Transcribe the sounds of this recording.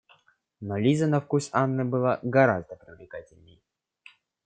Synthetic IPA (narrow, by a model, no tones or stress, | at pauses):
nolʲizənɐfkusanːɨbɨlˠaɡɐɾazd̪əpɾʲɪvlʲɪkatʲɪlʲnʲɪj